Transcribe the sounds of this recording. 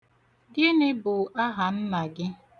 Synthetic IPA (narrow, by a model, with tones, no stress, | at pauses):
dɪ˦nɪ˦bʊ˨a˦ɦa˨m̩˦ma˨ɡɪ˦